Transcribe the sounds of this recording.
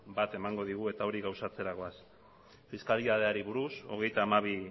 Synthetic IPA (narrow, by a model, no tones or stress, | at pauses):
bat̪e̞maŋɡo̞ðiɣ̞ue̞t̪ao̞ɾiɣawsat͡se̞ɾako̞as | fiskaliðað̞e̞aɾiβuɾuso̞̰ɣe̞jt̪aːmaβ̞i